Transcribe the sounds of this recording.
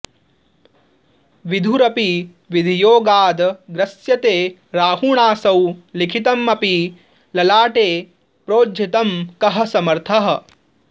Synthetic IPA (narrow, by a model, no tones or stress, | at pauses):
ʋid̪ʱuɾɐpi | ʋid̪ʱijoːɡaːd̪ɡɾɐsjɐt̪eː | ɾaːhuɳaːsɐwlikʰit̪ɐmːɐpi | lɐlaːʈeː | pɾoːd͡ʒʱit̪ɐmkɐɦɐ̆sɐmɐɾt̪ʰɐɦɐ̆